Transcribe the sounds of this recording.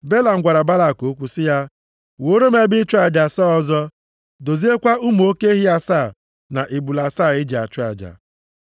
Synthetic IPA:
be˦la˨ŋ̩˦ɡʷa˨ɾa˨ba˦la˨ko˨˦kʷu˨sɪ˦ja˦ | wo˨˦ɾo˦me˦bɪ˦t͡ʃʊ˦a˨d͡ʒa˨sɔ˦ɔ˦zɔ˦ | do˨zi˦e˦kʷa˦u˦m˨o˦ke˦ɦi˦a˦saː˦˨ | na˨ʔe˨bu˨la˨saː˦˨ɪ˦d͡ʒe˨a˨t͡ʃʊ˦a̰˨d͡ʒa̰˨

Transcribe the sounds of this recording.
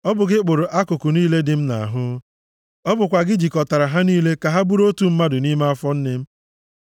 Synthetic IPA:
ɔ˦bʊ˨ɡɪ˦k͡pʊ˨ɾʊ˨ʔa˦kʊ˨kʊ˨niː˦le˦dɪ˨m̩˦na̰˨a̰˨ɦʊ˦ | ɔ˦bʊ˨kʷa˨ɡɪ˦d͡ʒi˨kɔ˨ta˨ɾa˨ɦa˦niː˦le˦ka˨ɦa˦bu˦ɾo˦tu˨m̩˦ma˦dʊ˨ni˦ma˦a˦fɔ˦n̩˦nɪ˦m̩˦

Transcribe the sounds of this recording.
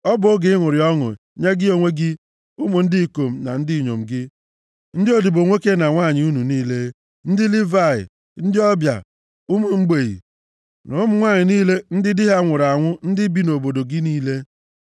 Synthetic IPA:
ɔ˦bʊ˦ɡɪ˦ɪ˦ŋʷʊ˨ɾɪ˨˦ɔ˦ŋʊ̰˨ | ɲe˦ɡɪ˦o˨ŋʷe˦ɡɪ˦ | ʊ˦mʊ˨n̩˦dɪ˦i˨ko˨m̩˨na̰˨n̩˦dɪ˦˨ɲo̰˨m̩˨ɡɪ˦ | n̩˦dɪ˦o˨di˨bo˨ŋʷe˦ke˦na˨ŋʷa˦˨ɲɪ˨u˦nu˨niː˦le˦ | n̩˦dɪ˦li˦va˦˨ɪ̰˨ | n̩˦dɪ˦ɔ˦bja̰˨ | ʊ˦mʊ˨ŋ͡m̩˦ɡ͡be˨ɣḭ˨ | nʊ˨˦m̩˦ŋʷaː˦˨ɲɪ˨niː˦le˦n̩˦dɪ˦dɪ˦ɦa˦ŋʷʊ˨ɾa˨ŋʷʊ˦n̩˦dɪ˦bi˦no˨bo˨do˨ɡɪ˦niː˦le˦

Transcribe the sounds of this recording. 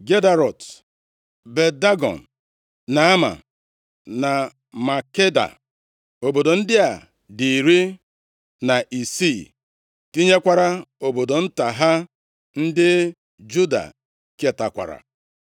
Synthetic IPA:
ɡe˦da˨ɾɔ˨t | be˨da˦ɡɔ̰˨n̩˨ | na˨a˦ma̰˨ | na˨ | ma˨ke˦da̰˨ | o˨bo˨do˨n̩˦dɪ˦a˨ | di˨ɾi˦ | na˨ʔi˨si˦˨ | ti˦ɲe˦kʷa˦˨ɾa˦o˨bo˨do˨n̩˦ta˨ɦa˦ | n̩˦dɪ˦ | d͡ʒu˦da̰˨ | ke˦˨ta˨kʷa̰˨ɾa̰˨

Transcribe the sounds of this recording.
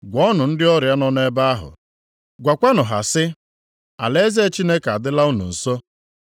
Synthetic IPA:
ɡʷɔ˦nʊ˨n̩˦dɪ˦ɔ˦ɾja˦nɔ˦ne˦ba˦a˦ɦʊ̰˨ | ɡʷa˨kʷa˦nʊ˨ɦa̰˨sɪ˦ | a̰˨le˦ze˦t͡ʃi˦ne˦ka˨dɪ˦la˦u˦nṵ˨n̩˨so˦

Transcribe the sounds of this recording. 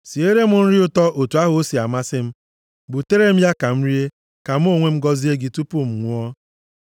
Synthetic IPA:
si˨e˦ɾe˦mʊ˨n̩˦ɾɪ˦ʊ˦tɔ˦ʔo˨tu˨a˦ɦʊ˨o˦si˨a˨ma˦sɪ˦m̩˦ | bʊ˨te˦ɾe˦m̩˦ja˦ka˨m̩˦ɾi˦e˦ | ka˨m̩˦o˦˨ŋʷe˦m̩˦ɡɔ˦zi˦e˦ɡi˨tu˦pʊ˦m̩˨ŋʷʊ˦ɔ˦

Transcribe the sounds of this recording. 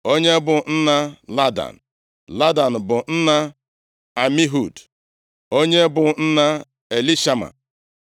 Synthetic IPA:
o˦ɲe˦bʊ˨n̩˦na˦la˦da̰˨n̩˨ | la˦da˨n̩˨bʊ˨n̩˦na˦ | a˨mi˦ɦu˨d | o˦ɲe˦bʊ˨n̩˦na˦ | e˨li˦ʃa˦ma̰˨

